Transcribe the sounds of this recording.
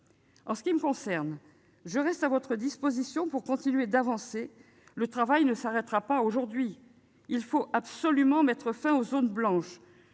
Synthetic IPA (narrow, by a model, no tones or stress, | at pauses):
ɑ̃sə̥kʲiməkɔ̃sɛʁn | ʒəʁɛst̪avɔt̪χəd̪ispozisjɔ̃puʁkɔ̃t̪inyed̪avɑ̃se | lət̪χavajnəsaʁɛt̪ʁapaoʒuʁd̪ɥi | ilfoʔabsɔlymɑ̃mɛt̪χəfɛ̃ozonblɑ̃ʃ